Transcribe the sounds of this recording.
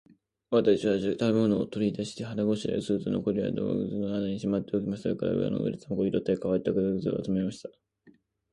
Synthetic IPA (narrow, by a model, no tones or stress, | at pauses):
βat̪akɕiβaʑɨt̪abemonoːt̪oɾʲid̪aɕi̥t̪e̞ɦaɾaɡo̞ɕiɾ̰ɯsɨːt͡sɨno̰koɾʲia̰d̪o̰ɡa̰ɡɯ̟zɨnonad̪aɲ̟iɕimat̪ːe̞okʲimasekaɾa̰ɯ̰a̰no̰ɡɯ̰ɾʲit͡samokoɡʲiɾot̪ːekaβait̪ːakɯd̪aɡɯ̟zɨa̰t͡sɨmemaɕi̥t̪ḁ